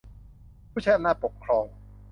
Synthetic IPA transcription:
pʰuː˥˩t͡ɕʰa˥jʔa˧naː˥˩t̪po˨˩k̚kʰɾɔː˧ŋ

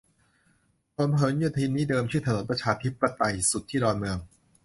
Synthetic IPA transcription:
pʰo˨˩˦mpʰɤː˩˦njuː˨˩t̪ʰiː˧mniː˦˥dɤː˧mt͡ɕʰɯː˥˩t̪a˧no˨˩˦npɾa˧t͡ɕʰaː˧t̪ʰi˦˥p̚ːɾa˧t̪a˧jsu˨˩t̪ʰːiː˥˩dɔː˧nmɯ˧əŋ

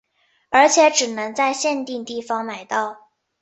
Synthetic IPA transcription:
ə˞˧˥t͡ɕʰjɛ˨˧˥ʈ͡ʂɻ̩˨˩nɤ˧˥ŋt͡sa˥˧ɪɕjɛ˥˧nt̪i˥˧ŋt̪i˥˩fɑ˧˥ŋma˨˩ɪt̪ɑ˥˩ʊ

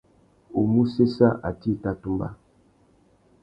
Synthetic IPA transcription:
u˨mu˦se˦sa˦ʔa˨ti˦˨ta˦tu˦mba̰˦

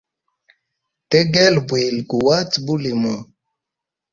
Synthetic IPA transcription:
tɛ˦ɡɛ˦lbwe˨lɡu˨wa˦tbu˦li˨mɔ˨

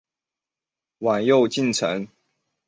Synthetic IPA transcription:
wa˨˩njo˥˨ʊt͡ɕi˥˨nt͡sʰə̰˨˦ŋ

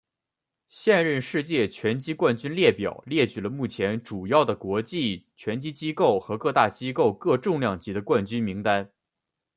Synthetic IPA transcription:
ɕjɛ˥˧nɻə˥˧nʂɻ̩˥˧t͡ɕjɛ˥˩t͡ɕʰɥɛ˧˥nt͡ɕi˥kwa˥˩nt͡ɕy˥nljɛ˥˩pjɑ̰˨˩ʊljɛ˥˩t͡ɕy˨˩lə˦mu˥˩t͡ɕʰjɛ˧˥nʈ͡ʂu˨˩jɑ˥˩ʊd̪ə˩kwɔ˧˥t͡ɕi˥˩t͡ɕʰɥɛ˧˥nt͡ɕi˥t͡ɕi˥ko˥˩ʊxɤ˧˥kɤ˥˧t̪a˥˩t͡ɕi˥ko˥˧ʊkɤ˥˧ʈ͡ʂʊ˥˧ŋljɑ˥˩ŋt͡ɕi˧˥d̪ə˧kwa˥˩nt͡ɕy˥nmi˧˥ŋt̪a˥n

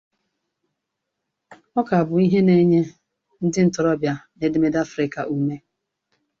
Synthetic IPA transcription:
ɔ˦ka˨a˨bʊ˨i˦ɦe˦ne˦ɲe˦ | n̩˦dɪ˦n̩˨tʊ˨ɾɔ˦bja˨ne˨de˦me˦da˦fɾɪ˨ka̰˨ʔu˦˨me˦

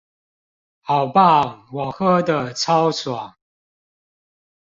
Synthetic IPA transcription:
hɑ˨ʊpa˥˨wɔ˨˩xɤ˥˦d̪ə˨t͡sʰɑ˦ʊswa˨˩˦ŋ

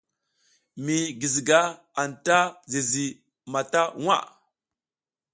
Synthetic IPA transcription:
mi˨ɡi˨zi˨ɡa˦ | a˨nta˦ze˨zi˨ | ma˨ta˦ŋa̰˦˨

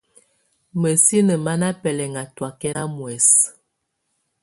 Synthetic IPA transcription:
mə˨si˦nə˨ma˦na˦pɛ˨lɛ˨ŋa˨twa˨kɛ˦ɾa˦mwɛ˨s

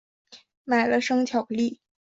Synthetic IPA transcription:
ma˨˩ɪlə˦ʂɤ˥ŋt͡ɕʰjɑ˨˩ʊli˥˩

